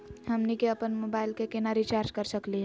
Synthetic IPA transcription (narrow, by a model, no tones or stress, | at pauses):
həmnikeəpənmobaːɪlkekenaɾit͡ʃaːɾd͡ʒkəɾsəkliɦɛ